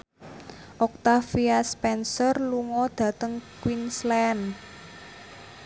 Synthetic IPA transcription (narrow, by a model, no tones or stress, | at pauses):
ʔɔk̚t̪afiaspɛnsɔrluŋɔd̪̥ä̤t̪əŋkwinslɛn